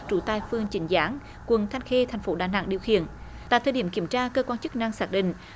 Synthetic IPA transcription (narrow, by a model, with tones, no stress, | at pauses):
t͡ɕu˧˦t̪aː˧˩jfɨ˧əŋt͡ɕï˨˦ŋ̟zaː˨˦n | kwə˨˩nt̪ʰa˧jŋxe˧t̪ʰa˨˩jŋ̟fo˨˦ɗaː˧˨˩na̰ː˧˨ŋɗi˨˩əwxḭ˧˨ən | t̪a̰ː˧˨t̪ʰəː˨˩jɗi˧˩əki˧˩əmt͡ɕaː˧kəː˧kwaː˧nt͡ɕɨ˦˥k̚na˧ŋsaː˦˥t̚ɗḭ̈˧˨ŋ̟